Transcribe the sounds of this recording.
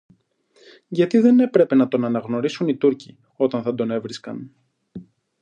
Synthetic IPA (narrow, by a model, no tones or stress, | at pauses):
ʝɐt̪iðe̞ne̞pɾe̞pe̞nɐt̪o̞nɐnɐɣno̞ɾisunit̪uɾci | o̞t̪ɐnθɐd̪o̞ne̞vɾiskɐ̰n